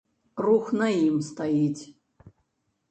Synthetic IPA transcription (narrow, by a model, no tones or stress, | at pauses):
ruxnaimst̪ʰajitʰʲ